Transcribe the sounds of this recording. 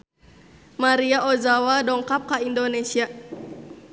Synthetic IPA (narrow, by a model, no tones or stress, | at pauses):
maɾiaʔɔzawadɔŋkap̚kaindɔnɛsia